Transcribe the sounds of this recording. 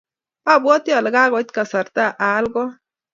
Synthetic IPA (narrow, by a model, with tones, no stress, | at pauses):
a˦˨bwɔ˦t̪ja˨lɪ˨ɡa˦ɣɔ˨˦tka˨sa˨ɾt̪a˦˨ʔa˨˦lɡɔ˦